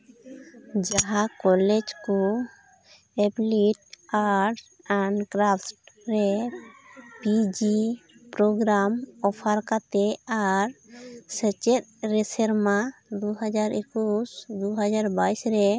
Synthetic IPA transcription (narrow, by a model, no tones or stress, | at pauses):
d͡ʒaɦakɔlɛd͡ʒku | ɛbliʈaɾʈs | ɛɳkɾapʈɾɛ | pid͡ʒipɾɔɡɾamɔpʰaɾkat̪ɛaɾsɛt͡ʃɛt̪̚ɾɛsɛɾmad̪uɦad͡ʒaɾekusd̪uɦad͡ʒaɾbaisɾɛ